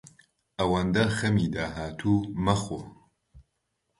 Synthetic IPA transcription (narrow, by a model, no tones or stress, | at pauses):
ɐwand̪ɐxɐmiːd̪aːɦaːt̪ʰuːmɐxo